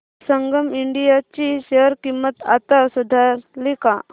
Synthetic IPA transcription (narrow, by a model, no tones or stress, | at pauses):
səŋɡəmiɳɖijat͡ɕiɕeəɾkimːət̪at̪asud̪ʱaɾlika